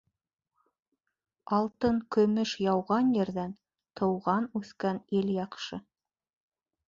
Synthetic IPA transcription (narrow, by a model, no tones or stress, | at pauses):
ɑlˠt̪ɤŋkɵ̆mɵʃjɑwʁɑnjɘ̆ɾðæn | t̪ʰɤ̆wʁɑnʉθkæniljɑqʃɤ